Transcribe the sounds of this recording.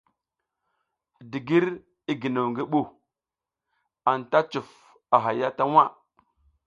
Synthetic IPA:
di˨ɡi˦ɾ | i˦ɡi˨nu˨wŋɡi˦ɓu˨ | a˨nta˦t͡ʃu˨f | a˨ɦa˨ja˦ta˦wa˦˨

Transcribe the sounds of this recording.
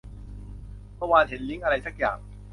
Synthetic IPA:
mɔ˥˩waː˧t̪ʰe˩˦nli˦˥ŋʔa˧ɾa˧jsa˦˥˩k̚ja̰ː˨˩ŋ

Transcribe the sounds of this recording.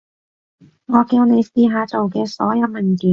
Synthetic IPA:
ŋɔː˨˧kiː˧wne˨˧jsiː˨˧ɦaː˨˧t͡so˨wkɛː˧sɔ̰ː˨˥jɐ˨˧wmɐ˨˩ŋkiː˨˥

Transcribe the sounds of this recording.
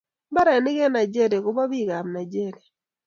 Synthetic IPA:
ba˦ɾa˨nɪ˦ɡɛ˦na˨d͡ʒe˦ɾe˨kʊ˦ba˦bi˦˨ɡa˨mna˨d͡ʒe˦˨ɾe˨

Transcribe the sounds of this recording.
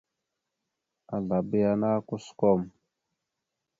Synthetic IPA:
a˨ɮa˨bi˦ja˦na˦ku˦sko˦˨m

